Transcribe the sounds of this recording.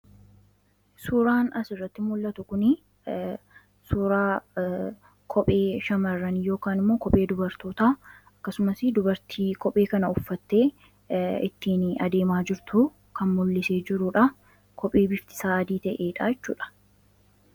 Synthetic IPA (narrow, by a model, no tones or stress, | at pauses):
suːɾaːnɐsɪrːɐt̪ːɪmʊlːɐt̪ʊkʊnɪ | suːɾaː | kʰɔpʼe̞ːʃɐmɐrːɐnjo̞ːkaːnɪmːo̞ːkɔpʼe̞ːd̪ʊbɐɾt̪o̞ːt̪aːɐkːɐsʊmɐsɪd̪ʊbɐɾt̪ʰiːkɔpʼːe̞ːkɐnɐʊfːɐt̪ːe̞ː | ɪt̪ːiːnɐd̪e̞ːmaːd͡ʒɪɾt̪ʊ | kɐnmʊlːɪseːd͡ʒɪɾuːᶑɐ | kʰɔpʼːe̞ːbɪft̪ɪ̥saːɐd̪iːt̪ɐʔe̞ːᶑaːjɛt͡ʃːṵːᶑɐ̥